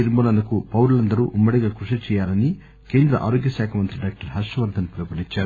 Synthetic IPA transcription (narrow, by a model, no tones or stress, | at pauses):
iɾmboːlɐnɐkupɐwɾlɐnd̪ɐɾuːʔumːɐɽiɡaːkɾuʂɐt͡ʃɛːjaːɾɐni | ke̞ːnd̪ɾɐ̰ʔa̰ːɾoɡjɐsaːkʰɐmɐnt̪ɾiɖaːk̚ʈɐɾɦɐʂɐʋɐɾd̪ʱɐnpɾɐpɐliɲt͡ʃːaːɾu